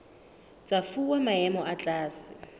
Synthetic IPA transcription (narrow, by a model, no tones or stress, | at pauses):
t͡sʼafuwamaɛmɔʔat͡ɬʼaːsɪ